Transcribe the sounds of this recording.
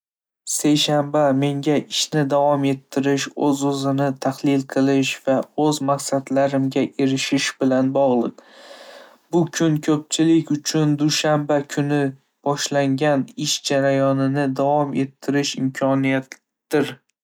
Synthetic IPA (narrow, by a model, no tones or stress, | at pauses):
se̞jʃambame̞ŋɡʲaʔɪʃnɪd̪avɒme̞t̪ʰːɪɾɪʃɵzɵzɪnɪt̪ʰahlɪlˠqʰɨlˠɪʃv̥aɵzmaqsad̪laɾɪmɡʲaʔe̞ɾɪʃɪʃbɪlanbɒʁlˠɨq | bʊkʰʊnkʰɵp̚t͡ʃʰɪlɪkʲʊt͡ʃʰʊnd̪ʊʃambakʲʰʊnɪ | b̥ɒʃlaŋɡʲanɪʃd͡ʒaɾajɒnɪnɪd̪avɒme̞t̪ʰːɪɾɪʃɪmkʰɒnijat̪ | d̪̥ɪɾ